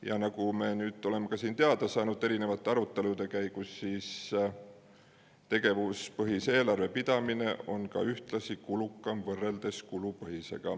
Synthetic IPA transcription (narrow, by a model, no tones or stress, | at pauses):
jɑ̰nɑkume̞ːnyːt̪ːo̞le̞mekɑsiːnt̪eɑd̪̥ɑsɑːnud̪̥ˑe̞ɾine̞vɑt̪ːˑeɑɾut̪ːˑe̞lud̪e̞kæjɡ̥usːiːs | t̪e̞ɡ̥e̞vuspɤɦise̞ːlɑrve̞pid̪̥ɑmine̞ʔo̞nkɑ̰yht̪lɑsikulukˑːɑmvɤrːe̞ld̪̥e̞skulupɤɦise̞̰ɡ̥ɑ̰